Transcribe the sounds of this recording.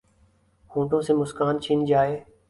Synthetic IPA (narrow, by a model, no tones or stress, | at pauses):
hũːʈõːsẽːmʊskaːnt͡ʃʰiːnd͡ʒaːeː